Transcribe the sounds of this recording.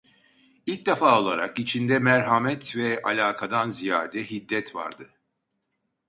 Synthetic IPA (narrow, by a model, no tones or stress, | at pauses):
ilʲc̚d̪afaːo̞lˠaɾa̰kit͡ʃʰind̪ɛmæɾɦamɛt̪vɛalʲaːkʰad̪anzija̰ːd̪ɛɦid̪ːɛt̪va̰ɾd̪ɯ